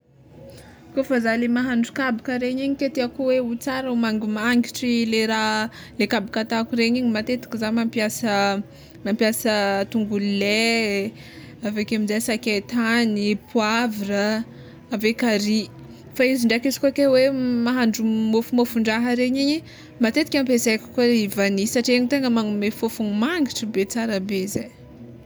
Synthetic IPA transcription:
kofəzalemaɦaɳɖ͡ʐukabikəɾeɲiɲiket̪eakuweut͡saɾəumaŋɡumaŋɡiʈ͡ʂileɾa | lekabikat̪akuɾeɲiɲimat̪et̪i̥kizamampjasə | mampijasət̪uŋɡulle | avekemizasaket̪anipʰwavirəː | vekaɾi | faiziɳɖ͡ʐakizi̥kokewemaɦaɳɖ͡ʐumofumofuɳɖ͡ʐaɦəɾeɲiɲi | mat̪et̪ikʲampezeki̥koɾeivanisaʈ͡ʂieɲit̪eŋɡəmaŋumefofuŋumaŋɡiʈ͡ʂəbet͡saɾəbezej

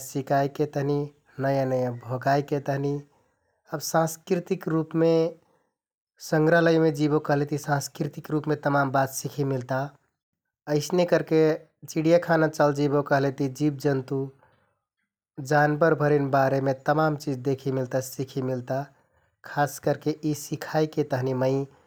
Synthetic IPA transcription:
sikajket̪əɦni | nəjãnəjãbʱoɡajket̪əɦni | əbsãskɾit̪ikɾupme | səŋɡɾəɦləjmed͡ʒibokəɦlet̪isãskɾit̪ikɾupmet̪əmambat̪sikʰimilt̪a | əɪsnekəɾke | t͡ʃiɽijakʰanat͡ʃəld͡ʒibokəɦlet̪id͡ʒib̚d͡ʒənt̪u | d͡ʒanbəɾbʱəɾinbaɾemet̪əmamt͡ʃid͡ʒd̪ekʰimilt̪asikʰimilt̪a | kʰaskəɾkeʔisikʰajket̪əɦniməɪ

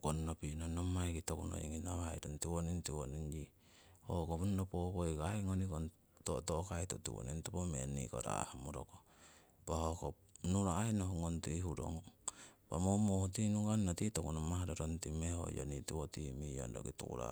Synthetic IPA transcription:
konnopinonomajkitokuno̰iŋinaβaajtontiwonintiwonind͡ʒi | hokopnnopokojkaiŋonikon | totokaitutḭwo̰nintopomenḭkoɾa̰hamoɾo̰ko | b̥ahoko | nuɾaːinohoŋontihuɾo̰ŋpa̰momohutinuɡannotitokunomaɦaɾoɾontimeho̰jo̰nitiwotimijo̰ndoɡitṵkṵɾa̰

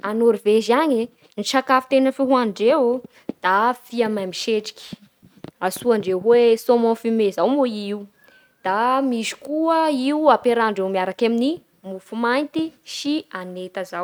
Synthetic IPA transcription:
anoɾivezaɲe | niʃakafi̥t̪enəfiɦuanɖ͡ʐewu | d̪̥afiamamiʃeʈ͡ʂi̥kʲi̥ | asuaɳɖ͡ʐeɦwesomõnfimezawmoiiw | d̪̥amiʃi̥kuəiwapeɾaɳɖ͡ʐewmiaɾakamini | mufumajnt̪iʃianet̪əzaw

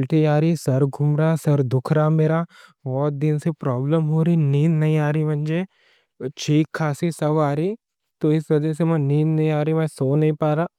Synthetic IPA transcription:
lʈiaːɾisɐɾɡʱʊmɾasɐɾd̪ʊkʰɾameːɾaː | bɔːt̪̚d̪ɪnsepɾɔːbləmɦoːɾiniːnnɐɦĩaːɾiːbʱɐ̃nd͡ʒeː | t͡ʃʰiːkʰːaːsisɐbaːɾiː | t̪oɪsʋɐd͡ʒɛsemɛ̃ːniːnnɐɦĩaːɾəjũmɛ̃ːsoːnɐɦĩpaːɾaː

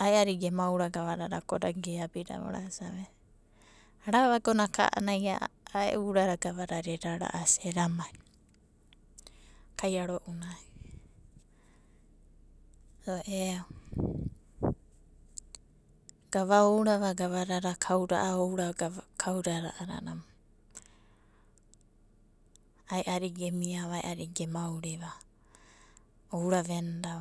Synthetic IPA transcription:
aeaɾiɡemawɾaɡaβaɾaɾakoɾa̰ɡeabiɾa̰βo̰ɾa̰saβe | aɾaβaɡonakʰa̰ʔa̰najaaḛʔuɾaɾaɡaβaɾaɾeɾaɾa̰ʔaseɾamaj | kajaɾoʔunai | oʔeaw | ɡ̥aβaowɾaβaɡaβaɾaɾakʰawɾa̰ʔaowɾakʰawɾaɾa̰ʔaɾa̰na̰ma | ajʔaɾiɡemiaβajʔaɾiɡemawɾeβa | owɾaβenda

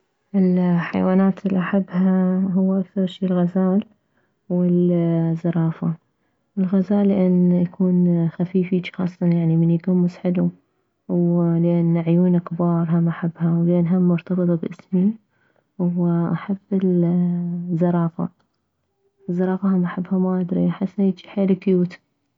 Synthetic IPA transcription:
ʔɪlħa̰jwaːnaːt̪ɪlːiʔaħabːhaɦʊwːʔakθɑɾˤʃiːlɣazaːl | wɪlzːɑɾˤɑːfa | wɪlɣazaːlːɪʔanːjakʰuːnxafiːfit͡ʃxɑ̰ːsˤtɑnjaʕnimɪnjaɡuːmːʊsħɪlu | wlɪʔanːʕjuːnakbɑːɾˤɦamaħabːhawlʔanɦamːʊɾt̪ɑbɨt̪ˤbʔɪsmi | wʔaħabːɪl | zːɑɾˤɑːfa̰ | zˤːɑɾˤɑːfaɦamaħabːhamaʔad̪ɾḭħasːeːt̪ħeːlɪkjuːt̪

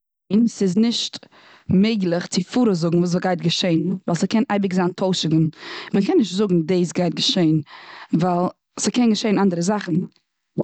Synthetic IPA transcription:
nsɪznɪʃt | meɪɡlˠɪχt͡sɪfuːɾəzʊɡŋ̩vuːs̬vɔɡaɪtɡəʃeɪnvalˠsəkɛnʔa̰ɪbɪkzaːntʰoʊʃɪɡn̩məkɛnːɪʃtzʊɡŋ̩deːs̬ɡaɪt̚ɡəʃeɪnvalˠ | səkɛnɡəʃeɪnandəɾəzaχn̩

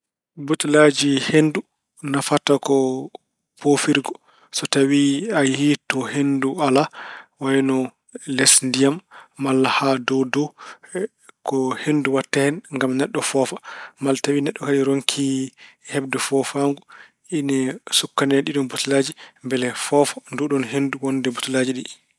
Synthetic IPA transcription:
butlad͡ʒihendu | nafatakɔ | pofiɾɡɔ | sɔtawiajhitɔhendualawajnɔ | lɛsndijamːalːahadɔdɔ | kɔhenduwatːahɛnŋɡamnɛɗːɔfɔfamaltawinɛɗːɔkaɗiɾoŋkʰihɛbdɛfɔfaŋɡu | ʔinɛsukːanɛɗiɗɔnbutulad͡ʒimbɛlɛfɔfḁnduɗɔnɦenduwɔndɛbotulad͡ʒiɗi

